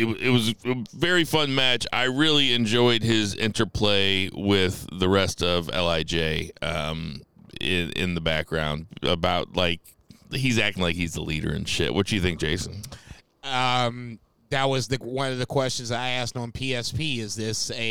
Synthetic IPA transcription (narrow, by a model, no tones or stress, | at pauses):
ɨt̚wʌɪt̚wʌzɨvɛɹifʌ̃nmæt͡ʃa̰ɪɹɪlˠiɨ̃nd͡ʒɔɪd̚ɪzɪ̰̃ntə˞pʰl̥eɪwɪðəɹɛstʌvɛ̰lˠaɪd͡ʒeɪʌ̃m | ɪ̃nɪ̰̃nðəbæk̚ɡ̥ɹãʊ̃nd̚ə̰baʊt̚laɪk̚ | hizæk̚tɪ̃ŋlaɪkhizðə̰liɾə̰˞ɨ̰̃nʃɪ̰ʔ̚wʌ̰t̚d̥ɨɨθɪ̃ŋk̚ʒ̥eɪsn̩ | ʌ̃m | ðɨt̚wʌzðɨwʌ̃nʌvðɨkʰw̥ɛst͡ʃɨ̃n̩zaɪæstn̩pʰiɛspʰiɪzðɪsɨ